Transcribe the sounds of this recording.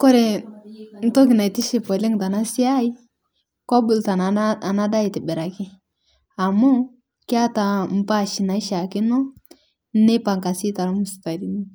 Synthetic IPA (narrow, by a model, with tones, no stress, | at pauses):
kɔ˦ɾe˨ | n̩˦to˦k̬i˨na˨i˨ti˦ʃi˨pɔ˨le˦ŋta˨na˦si˦a˦i˦ | ko˦bu˨lta˨na˨˦a˨na˦da˦i˨ti˨be˨ɾa˨ki˦ | a˨mo˦ | ki˦a˦ta˨m̩˦pa˦˨ʃi˨na˨i˦ʃa˨ki˦no˦ | ne˦pa˨ŋka˨si˦ta˨ɾmu˨si̥˨ta˨di˨ni˦